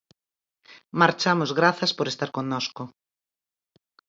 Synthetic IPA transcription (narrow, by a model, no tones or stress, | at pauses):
maɾt͡ʃamʊzɣɾaθɐspoɾest̪aɾkoŋnɔsko